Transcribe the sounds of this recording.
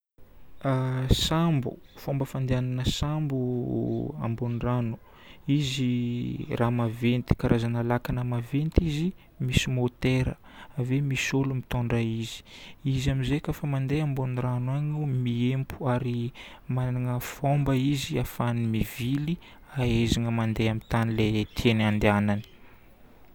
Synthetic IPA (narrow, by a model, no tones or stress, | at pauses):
asambṵfombəfand̪eananəsambu | a̰mboniranu̥ | izirʔamavent̪i̥kaɾʔazanalakanəmavent̪izi | misimot̪eɾə̰ | vemisolumit̪oɳɖ͡ʐaizi̥izamizekəfamand̪eamboniranwaɲumiempu̥aɾimanaŋəfombəiziafanimivili | aezaŋəmand̪eamit̪anilet̪ʰenand̪eanani̥